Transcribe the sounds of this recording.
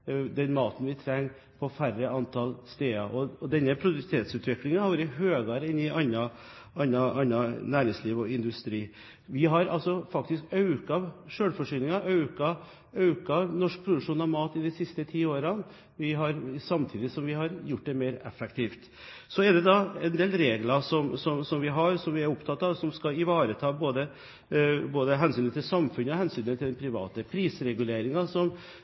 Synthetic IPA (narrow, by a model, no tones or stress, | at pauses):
d̪ɛnmɑːt̪nʋɪt̪ʰɾɛŋː | pʰɔfæɾəɑnt̪ʰɑlst̪eːɑʔɔɔd̪ɛnːəpʰɾʊd̪ʉt̪ʰeːt̪sʉːt̪ʰʋɪklɪŋənhɑɾʋɑːɾəɦøːɡɑɾɛnːɪʔɑnːɑ | ʔɑnːɑʔɑnːɑnæːɾɪŋsliːʋɔɪnd̪ʉst̪ɾiː | ʋɪɦɑɾɑ̰lsɔfɑk̚t̪ɪskɑʉkɑʋʂøːɽfɔʂyːnɪŋɑʔɑʉkɑ | ɑʉkɑʋnɔʂk̚pʰɾʊd̪ʉʂuːnɑʋmɑːt̪ɪd̪ɛsɪst̪ət̪ʰiːoːɾɑn | ʋɪɦɑɾsɑmt̪ʰiːd̪ɪsɔmʋɪhɑɾjʊʈ̚ːd̪ɛmeɪɾɛfːɛkt̪ʰiːft̪ | sɔɛɖ̪ɛd̪ɑɛnd̪eːlɾeːɡlɑsɔmsɔmsɔmʋɪɦɑɾsɔmʋɪæɾʊpt̪ʰɑt̪ːɑʋsɔmskɑɪʋɑːɾət̪ʰɑːboːd̪ə | boːd̪əɦɛnsyːnət̪ʰɪlsɑmfʉnəɔhɛnsyːnət̪ʰɪld̪ɛnpʰɾɪʋɑ̰ːt̪əpʰɾiːsɾɛɡʉleːɾɪŋɑsɔm